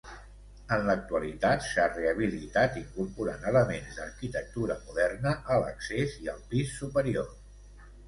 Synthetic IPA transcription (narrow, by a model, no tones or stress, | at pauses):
ənlək̚t̪uəlit̪at̪sareəβ̞ilit̪at̪iŋkuɾpuɾa̰nələmenzd̪ərkit̪ək̚t̪uɾəmuðɛrnəʔələ̰kseziəlˠpisːupəɾio